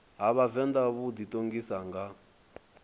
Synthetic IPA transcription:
ɦaβavɛnd̪aβud̪it̪ʼoŋɡisaŋɡa

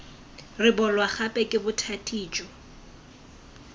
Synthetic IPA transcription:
rɪbɔlwaχapʼɛkʼɪbʊtʰatʼiːt͡ʃʼɔ

